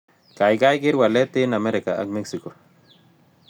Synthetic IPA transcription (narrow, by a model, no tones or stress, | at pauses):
kajɡajɡiɾwalet̪inameɾekaa̰kmeksiko